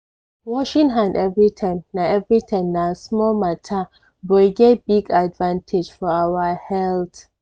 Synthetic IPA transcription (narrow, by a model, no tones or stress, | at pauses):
wɔʃĩŋɦãndɛvɹitʰãmnaɛvɹitʰãmnasmɔlmatʰa | bɔjɡebiɡadvãntʰɪd͡ʒfɔawahɛlt